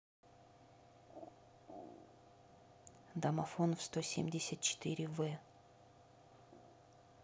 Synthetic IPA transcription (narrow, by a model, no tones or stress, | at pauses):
d̪ɐmɐfonfst̪osʲemʲdʲɪsʲət̪̚t͡ɕɪ̥t̪ɨɾʲɪvɛ